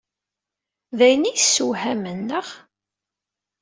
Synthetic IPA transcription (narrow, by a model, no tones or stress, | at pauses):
ðæjnijsːuɦæmənːəʁ